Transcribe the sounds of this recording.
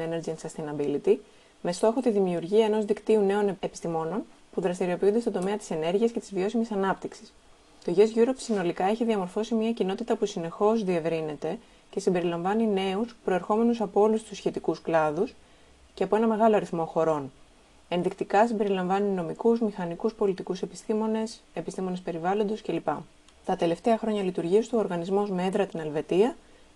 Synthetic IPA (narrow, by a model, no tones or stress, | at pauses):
eneɾd͡ʒinsɐst̪inɐbilit̪i | me̞st̪o̞xo̞t̪iðimiuɾʝiɐe̞no̞zðikt̪iune̞o̞ne̞pi̥st̪imo̞no̞n | puðɾɐst̪iɾio̞piund̪est̪o̞nd̪o̞me̞ɐt̪i̥se̞ne̞ɾʝiɐsce̞t̪i̥zvio̞simisɐnɐpt̪iksi̥s | t̪o̞ʝezʝuɾo̞psino̞likɐeçiðiɐmo̞ɾfo̞simɲɐcino̞t̪it̪ɐpusine̞xo̞zðie̞vɾine̞t̪e̞ | ce̞simbe̞ɾilɐɱvɐnine̞uspɾo̞eɾxo̞me̞nusɐpoo̞lust̪usçe̞t̪ikusklɐðus | ceɐpo̞e̞nɐme̞ɣɐlo̞ɐɾiθmo̞xo̞ɾo̞n | e̞nðikt̪ikɐsimbe̞ɾilɐɱvɐnino̞mikuzmixɐnikuspo̞lit̪ikuse̞pist̪imo̞ne̞se̞pist̪imo̞nespe̞ɾivɐlo̞nd̪o̞sce̞lipɐ | t̪ɐt̪e̞le̞ft̪e̞ɐxɾo̞ɲɐlit̪uɾʝiɐst̪uooɾɣɐnizmo̞zmeet̪ɾɐt̪inɐlve̞t̪iɐ